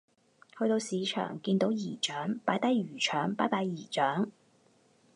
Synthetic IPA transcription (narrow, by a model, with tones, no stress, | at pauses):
hɵ˧t̪o˧wsiː˨˧t͡ʃʰœ̰ː˨˩ŋkiː˧nt̪o˨˥wjiː˨˩t͡ʃœː˨˥ŋpaː˨˥jt̪ɐ˥jɥyː˨˩t͡ʃʰœː˨˥ŋpa̰ː˨˥jpaː˧jjiː˨˩t͡ʃœː˨˥ŋ